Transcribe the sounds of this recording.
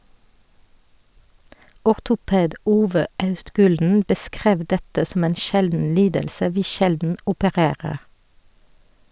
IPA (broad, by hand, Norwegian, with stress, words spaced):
ɔʁtʊˈpeːd ˈuːʋə ˈɑʉstˌɡʉːldn̩ bəˈskʁeːʋ ˈdɛtə sm̩ ˈeːn ˈʃɛldn̩ ˈliːdəlsə ˈʋiː ˈʃɛldn̩ ʊpəˈʁeːʁəʁ